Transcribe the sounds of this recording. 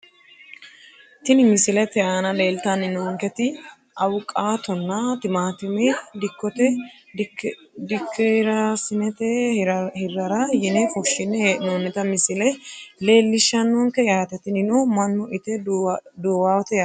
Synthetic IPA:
t̪ɪnɪmɪsɪlɛt̪ɛaːnɐleːlt̪ɐnɪnoŋkɛt̪ɪ | ʔɐwʊkʼːaːt̪ɔnːɐt̪ɪmaːt̪ɪmɛd̪ɪkːɔt̪ɛ | d̪ɪkːɪɾɐsɪnɛt̪ɛhɪrːɐɾɐjɪnɛfɔʃːɪnːɛnonːɛt̪ɐmɪsɪlɛle̞ːlːɪʃːɐnːoːŋkɛjaːt̪ɛt̪ɪnɪnomɐnːɔʔɪt̪ɛd̪oːwaːwɔt̪ɛja

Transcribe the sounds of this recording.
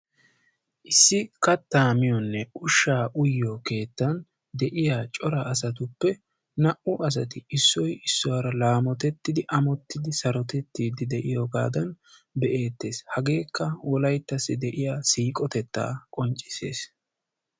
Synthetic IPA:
ʔɪsːɪkɐt̪ːaːmɪjɔnːɛʊʃːaːʔʊjːɔke̞ːt̪ːɐn | d̪ɛʔɪjaːt͡ʃʼɔɾɐːs̬ɐt̪ʊpːɛ | nɐʔʊɐs̬ɐt̪ɪɪsːɔjɪsːɔwɐɾɐlaːmɔt̪ɛt̪ːɪd̪ɪʔɐmɔt̪ːɪd̪ɪsɐɾɔt̪ɛt̪ːiːd̪ɪd̪ɛʔɪjɔɡa̰ːd̪ɐnbɛʔe̞ːt̪ːe̞ːshɐɡe̞ːkːɐwʔɔlɐjt̪ːɐsːɪd̪ɛʔɪjaːsiːkʼɔt̪ɛt̪ːa̰ːkʼɔnt͡ʃʼːɪ̥se̞̰ːs

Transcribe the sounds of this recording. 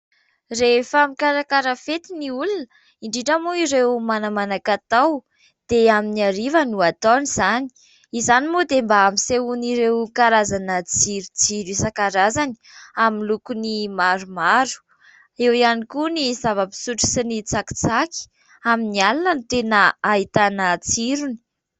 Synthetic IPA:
refamikaɾakaɾəfet̪iniulunə | iɳɖ͡ʐiʈ͡ʂəmuiɾewmanamanakat̪aw | d̪̥eaminiaɾivənuat̪oniz̥ani̥ | izanimod̪embaamiseuniɾewkaɾazanət͡siɾut͡siɾisakaɾazani̥ | aminlukunimaɾumaɾu̥ | ewianikunizavəpi̥suʈ͡ʂu̥sinit͡saki̥t͡saki̥ | aminialanənut̪enəait̪anət͡siɾuni̥

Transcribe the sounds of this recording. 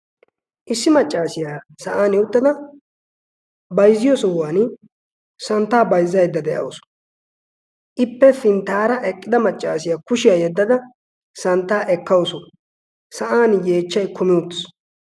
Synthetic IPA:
ʔɪsːɪmɐt͡ʃʼːaːsɪjaː | sɐʔaːnjɛwʊt̪ːɐd̪ɐ | bɐjzːɪjɔsɔwaːn | sɐnt̪ːaːbɐjzːɐjd̪ːɐd̪ɛʔɐ̰wsɔ̥ | ʔɪpːɛfɪnt̪aːɾɐʔɛkʼːɪd̪ɐmɐt͡ʃʼːaːsɪjaːkʊʃɪjaːjɛd̪ːɐd̪ɐ | sɐnt̪ːaːʔɛkːɐwsɔ | sɐʔaːnjeːt͡ʃːɐjkʰʊmɪʊt̪ːɪ̥s

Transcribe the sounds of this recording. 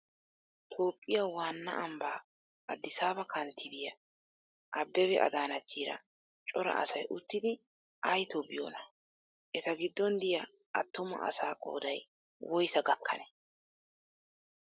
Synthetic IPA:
t̪ʰo̞ːpʼːɪjawaːnːɐ̰ʔɐmbaː | ʔɐd̪ːɪsaːbɐkʰɐnt̪ʰɪbɪjɐ | ʔɐbːɛwɛʔɐ̰d̪aːnɐt͡ʃːiːɾɐ̰ | t͡ʃʼɔɾɐ̰ʔɐsɐjʔʊt̪ːɪd̪ɪ | ʔɐjt̪obɪjo̰ːnɐ | ʔɛt̪ɐɡɪd̪ːɔnd̪ɪjɐ | ʔɐt̪ːʊmɐ̰ʔɐ̰saːkʼo̞̰ːd̪ɐj | wɔjsɐɡɐkʰːɐ̰nɛ

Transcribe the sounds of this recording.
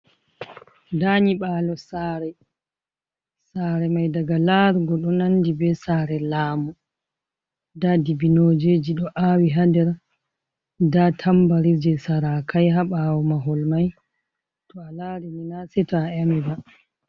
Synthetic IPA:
daɲiɓaːlɔsaːɾɛ | saɾɛmajdaɡalaɾɡɔɗɔnandibɛsaɾɛlaːmu | dadibinod͡ʒed͡ʒiɗɔʔawiɦadɛɾ | datʰambaɾid͡ʒɛsaɾakʰajɦaɓawɔmaɦɔlmaj | tɔalaɾɛminasɛtaaɛmɛda

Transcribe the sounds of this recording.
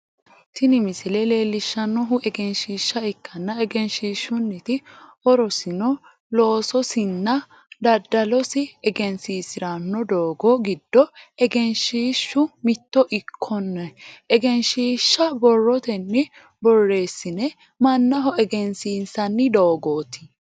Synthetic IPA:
t̪ɪnɪmɪsɪlɛle̞ːlːɪʃːɐnːɔɦʊʔɛɡɛnʃiːʃːɐɪkːɐnːɐɛɡɛnʃiːʃːʊnːɪt̪ɪɔɾɔsɪnɔ | lo̞ːsɔsɪnːɐ | d̪ɐd̪ːɐlɔsɪɛɡɛnsiːsɪɾɐnːɔd̪o̞ːɡɔɡɪd̪̥ːɔɛɡɛnʃiːʃːʊmɪt̪ːɔʔɪkʰːɔnːɐɛɡɛnʃiːʃːɐbɔrːɔt̪ɛnːɪ | bɔrːe̞ːsːɪnɛ | mɐnːɐɦɔɛɡɛnsiːnsɐnːɪd̪oːɡoːt̪ɪ̥

